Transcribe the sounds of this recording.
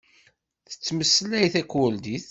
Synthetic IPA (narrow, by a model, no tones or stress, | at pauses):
θə̥t͡sːməsːəlæjθækːʊld̪iθ